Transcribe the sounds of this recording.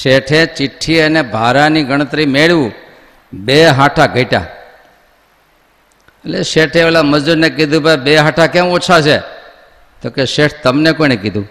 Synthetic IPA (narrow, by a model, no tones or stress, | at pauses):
ʃeʈʰẽt͡ʃɪʈʰːiənebʱaɾaniɡʱəɽ̃ət̪ɾimeɭʋũ | beɦãʈʰaɡʱəiʈa̰ | əleʃeʈʰeʋlaməd͡ʒd͡ʒuɾnekid̪ʱũbʱajbeɦaʈʰakemot͡ʃʰat͡ʃʰe | t̪okeʃeʈʰt̪əmnekoinekid̪ʱũ